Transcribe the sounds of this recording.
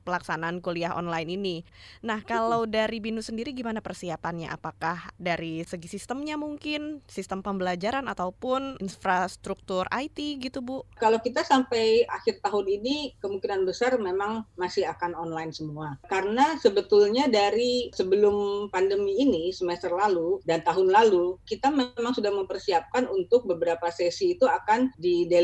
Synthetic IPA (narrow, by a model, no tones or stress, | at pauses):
pəlaksanaːnkoliaɦɔ̰nlajnininahkalawdaɾibinusəndiɾiɡimanapərsiapanɲa̰ʔa̰pakahdaɾisəɡisist̪əmɲamuŋkɪnsist̪əmpəmbəlad͡ʒaɾanat̪awpʊninfɾast̪ɾuk̚t̪ʊrʔa̰jt̪iɡit̪ubʊkalawkit̪asampajaxɪrt̪aɦʊninikəmuŋkinanbəsarmemaŋmasɪɦakanɔnlajnsəmuakaɾənasəbət̪ʊlɲadaɾisəbəlʊmpandəmiːnisəmɛst̪ərlaludant̪aɦʊnlalukit̪amemaŋsudahməmpərsiap̚kanunt̪ʊk̚bəbəɾapasɛsiːt̪uakandide